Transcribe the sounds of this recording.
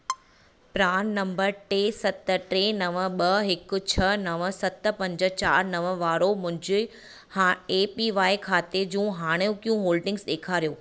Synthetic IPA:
pɾaːnːɐ̃mbəɾʈeːsɐt̪ə̆ʈɾeːnɐʋə̆ɓɐɦɪkʊ̆t͡ɕʰɐnɐʋə̆sɐt̪̆pɐ̃ɲd͡ʑə̆t͡ɕaːɾnɐʋəʋaːɾomʊ̃ɦɪ̃ɲd͡ʑɪ | haeːpiʋaːikʰaːt̪ed͡ʑũːɦaːɽ̃ũkijũɦoːlɖɪ̃ŋɡsɗ̪eːkʰaːɾijoː

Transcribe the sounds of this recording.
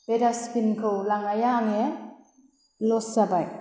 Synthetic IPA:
bedaspinkʰɯwlaŋajaŋe | losabaj

